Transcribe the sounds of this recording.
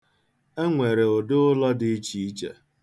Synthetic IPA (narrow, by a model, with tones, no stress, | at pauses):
e˦ŋʷe˨ɾe˨o˨dʊ˦ʊ˦lɔ˦dɪ˦i˦t͡ʃi˦i˦t͡ʃḛ˨